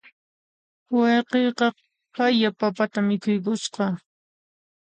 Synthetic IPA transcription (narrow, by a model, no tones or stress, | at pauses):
wɑjqejqɑ | hajapapat̪amɪkʊjkʊʃqɑ